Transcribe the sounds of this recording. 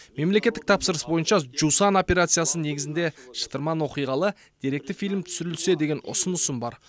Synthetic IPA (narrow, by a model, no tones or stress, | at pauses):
me̞mle̞kʲe̞t̪ːɪk̚t̪ʰɑpsəɾəsbo̞jənʃɑʒusano̞pʲe̞ɾat̪sɨjasəne̞ɡʲɪzɪnd̪e̞ʃə̥t̪əɾmɑnwo̞qijʁɑlˠə | d̪̥ʲeɾek̚t̪ɪfijlmt̪ʰʏ̥sʏɾɪlse̞d̪e̞ɡʲe̞nʊ̰sənʊsəmbɑɾ